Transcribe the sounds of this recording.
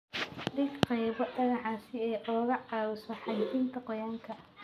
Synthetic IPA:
ɖɪɡqɛjβɔɖɐɣɑħɑːsɪɛʔɔːɣɐʕɑːwʊsɔħɑjtʰɪnt̪ʰɐqɔjaːŋkʰɐ

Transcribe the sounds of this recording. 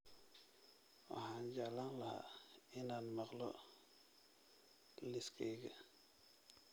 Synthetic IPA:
a̰ɦand͡ʒalaŋlaha̰inanmaklɔ̰ | liskʰeɡa

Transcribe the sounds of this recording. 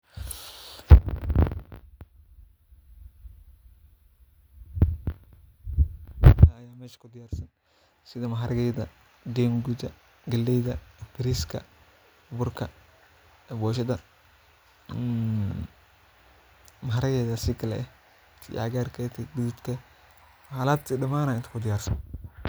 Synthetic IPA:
aːjaːmɛːʃɐ̥kʰʊd̪ɪjaːrsɐn | sɪðɐmɐɦɐɾɐɣɛjðɐ | ɡɛːmɡudɐ | ɡɐlːɛjðɐbɪɾiskʰɐ̰ | bʊrkʰɐ | bɔːʃɐðɐ | mɐɦaɾɐɣɛjðɐsɪkʰɐlɛ̰ɛ | t̪ʰiʔaɣaːrkʰɛt̪ʰɛɡɪðut̪kʰɐ | haːlaːt̪idɐmaːnaːɪnt̪ɐ̥kʰʊd̪ɪjaːrsɐn

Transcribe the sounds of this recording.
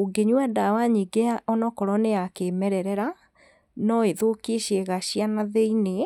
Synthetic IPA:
oɡeɲwadawaɲiɡeaʔɔnɔkɔɾɔneakemɛɾɛɾɛɾa | nɔeðokeɕeɣaɕianaðeine

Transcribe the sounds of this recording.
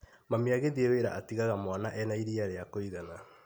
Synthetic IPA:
mameaɣeðieweɾaʔatiɣaɣamwanaʔɛnaiɾiaɾeakoiɣana

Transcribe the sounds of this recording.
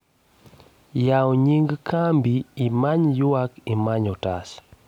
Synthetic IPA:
jawɲiŋɡkʰambiːmaɲjwakimaɲɔta̰s

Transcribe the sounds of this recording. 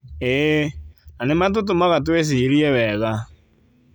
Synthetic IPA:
e | nanemat̬ot̬omaɣatwes̬iɾiɛwɛɣa

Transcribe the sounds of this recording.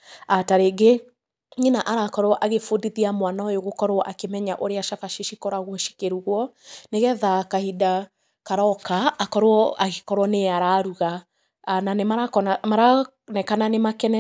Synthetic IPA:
ataɾeɡe | ɲinaʔaɾakɔɾɔʔaɣefodiðiamwanaojoɣokɔɾɔʔakemɛɲaʔoɾeaʃafaʃiʃikɔɾaɣwɔʃi̥keɾuɣwɔ | neɣɛðakahida | kaɾɔkaːkɔɾwɔaɣekɔɾwɔneaɾaɾuɣa | nanemaɾakɔnamaɾa | nɛkananemakɛnɛ

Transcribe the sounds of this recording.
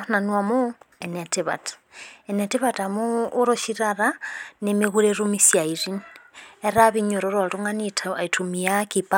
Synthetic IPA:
nanwamoenetiβa̰tḁenetiβatamuːɾoʃiɾaɾanemiɣuɾeɾumisjaiɾineɾaβiɲoɾoɾoɾuŋanitʰitʰumiakipa

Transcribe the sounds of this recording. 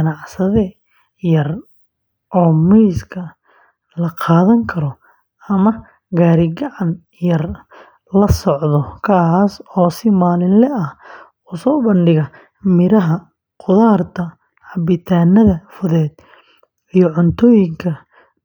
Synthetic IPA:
ɡɐnɑʕsɐðɛ | jɐr | ʔɔːmɛjskʰɐ | lɐqɑːðɐŋkʰɐɾɔ | ɐmɐ | ɡaːɾɪɡɐʕɑn | jɐr | lɐsɔʕðɔkʰaːsɔːsɪmaːlɪnlɛɐh | ʊsɔːbɐnɖɪɣɐ | mɪɾɐɦɐ | qʊðaːrt̪ʰɐ | hɐbɪt̪ʰaːnːɐðɐfʊðɛːd̪ | ijɔʕʊnt̪ʰɔːjɪŋkʰɐ

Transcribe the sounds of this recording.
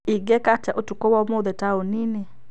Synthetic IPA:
ɪɡɛkat͡ʃaʔotukowɔmod̪ɛtaonine

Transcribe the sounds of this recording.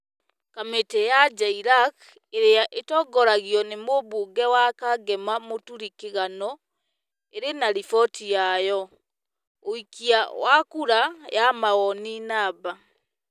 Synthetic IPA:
kametɛjad͡ʒaiɾak | eɾeaʔetɔɡɔɾaɣiɔnemoβoɡɛwakaɡɛmamotuɾikeɣanɔ | eɾenaɾifɔtʰijajɔ | oikiawakuɾajamaɣɔninaβa

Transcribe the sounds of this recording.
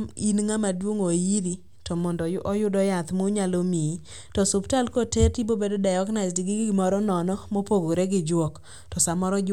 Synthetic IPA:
ḭnŋamadwoŋojiɾi | tɔmɔndɔʔɔjʊdɔjat̪moɲalomi | tɔsʊptalkoteɾtibobedodajɔɡnasdiɡɪɡmɔɾɔnɔnɔmopoɡoɾeɡɪd͡ʒwɔk | tɔsamɔɾɔ

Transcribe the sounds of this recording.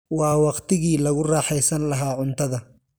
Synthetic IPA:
wɑːwɑqt̪ɪɣiːlɐɣʊrɑːħɛjsɐnlɐɦaːʕʊnt̪ʰɐðɐ

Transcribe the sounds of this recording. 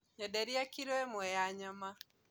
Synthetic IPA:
ɲɔdɛɾiakiɾoɛmwɔjaɲama

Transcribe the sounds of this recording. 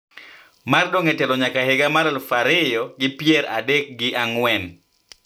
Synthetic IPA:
mardoŋɛtɛlɔɲakaheɡamaɾalfaɾɪjɔɡɪpjɛɾa̰dɛk̚ɡɪʔaŋwɛn

